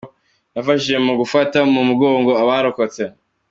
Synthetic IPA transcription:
nafaʃiʒe̞muɡufatamumuɡo̞ːŋɡo̞aβaɾoko̞t͡se̞

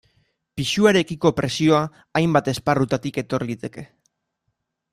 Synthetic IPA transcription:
piʃuaɾe̞kiko̞pɾe̞sio̞aː | jmbat̪e̞sparut̪at̪ike̞t̪o̞ɾlit̪e̞ke̞

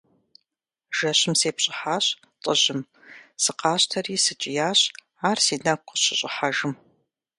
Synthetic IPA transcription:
ʒ̥ɐɕɪmseːpɕʼɪħaːɕ | tʼəʑɪm | sɨqɑːɕtʰɐriːsɨt͡ʃʼɪjaːɕ | aːrsiːnɐkʷʰʼəɕɪɕʼɪħaʒɨm

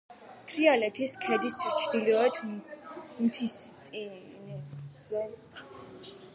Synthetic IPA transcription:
t̪ʰɾialɛt̪ʰiskʰɛd̪ist͡ʃʰd̪iliɔɛt̪ʰ | mt̪ʰisʼi | nzɛ

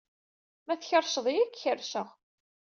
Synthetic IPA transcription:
mæθçəɾˤʃəðˤijɪkːçəɾʃəʁ

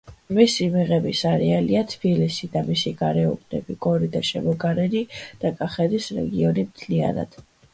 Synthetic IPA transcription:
misimiʁɛbisaɾɛaliat̪ʰbilisid̪amisiɡaɾɛɔ̰bʰnɛ̰bikʼɔɾid̪aʃɛ̰mɔɡaɾɛnid̪̥akʼaχɛd̪isɾɛ̰ɡiɔnimt̪ʰlia̰na̰d̪̥

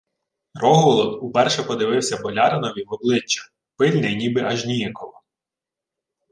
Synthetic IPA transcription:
rɔɦɔlˠɔd̪upɛrʃɛpɔd̪ɪʋɪwsʲɐbɔlʲɑɾɪnɔʋʲiʋɔblˠɪt͡ʃːɐ̥ | pɪlʲnɪjnʲibɪʔɐʒnʲijɛkɔlˠɔ

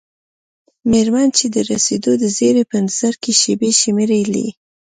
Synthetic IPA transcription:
meɾmant͡ʃed̪əɾased̪od̪əzeɾepənaz̥aɾkeʃebeʃimeɾelḭ

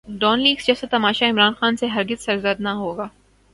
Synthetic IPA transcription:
ɖɔːnliːksd͡ʒɛːset̪ɐmaːʃaɪmɾaːnxaːnseɦɐɾɡɪz̥sɐɾzəd̪naɦoːɡaː

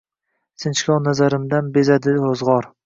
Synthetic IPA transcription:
sɪnt͡ʃkʲɒnazaɾɪmd̪anbezad̪ɪozʁɒɾ

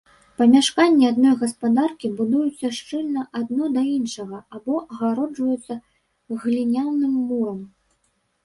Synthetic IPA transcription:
pɐmʲaʂkanʲːiad̪̚nɔjɣɐspad̪arkʲibud̪ujut̪sʲːɐʂt͡ʂɨlʲnɐʔad̪nɔd̪ɐinʂɐɣɐabɔʔɐɣaɾɔd͡ʐvɐjɛt̪sːɐ | ɣlʲinʲawnːɨmːuɾɐm

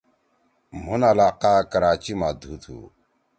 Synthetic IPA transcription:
m̤unalaːqaːkəɾaːt͡ʃimaːd̪ʱuːt̪ʰṵː

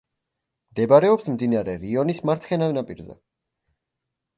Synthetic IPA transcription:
md̪ɛbaɾɛɔpsmd̪inaɾɛɾiɔnismaɾt̪sʰχɛnavnapʼiɾzɛ̰

